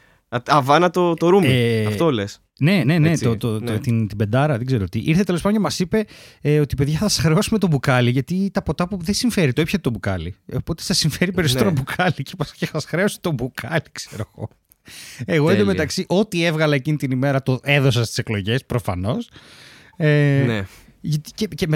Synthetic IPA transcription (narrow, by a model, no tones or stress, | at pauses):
ɐɐvɐnɐt̪ot̪oɾumft̪oles | ne̞ne̞ne̞ot̪oot̪int̪ibe̞nd̪ɐɾɐðeɡze̞ɾot̪iʔiɾθet̪elpɐd̪cemɐsipe̞o̞t̪ipe̞ðʝɐθɐsxɾeosime̞t̪obukɐliʝɐt̪it̪ɐpo̞t̪ɐpuðesiɱfe̞ɾit̪oipçɐt̪et̪o̞bukɐ̰lḭopo̞t̪eθɐsiɱfe̞ɾipe̞ɾisot̪eɾɐbukʰɐlicepɐscesɐsxɾeosi̥t̪o̞bukʰɐlikseɾoɣo̰ | eɣoed̪omet̪ɐksiʔo̞t̪ie̞vɣɐlɐecinit̪inime̞ɾɐt̪oʔe̞ðo̞s̬ɐst̪i̥se̞klo̞ʝe̞spɾo̞fɐno̞s | ene | ʝɐt̪i̥cecem